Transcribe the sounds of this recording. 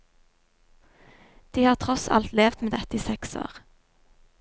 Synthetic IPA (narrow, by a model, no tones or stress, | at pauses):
d̪̥iːhɑːʁt̪ʰʁɔsɑ̰lt̪leːʋt̪meːd̪ɛt̪əiːsɛkso̰ːʁ